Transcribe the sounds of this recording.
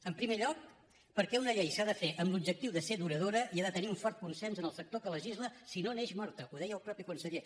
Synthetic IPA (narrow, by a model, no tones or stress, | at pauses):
əmpɾimeʎɔk̚ | pəɾkɛunəʎejsaðəfeʔəmblubʒək̚t̪iwðəseðuɾəð̞oɾəʔiaðət̪əniuɱfɔɾt̪̚kunsɛnzənəlˠfək̚t̪okələʒizləsinoneʃmɔɾt̪əʔuðɛjəlˠpɾɔpikunsəʎe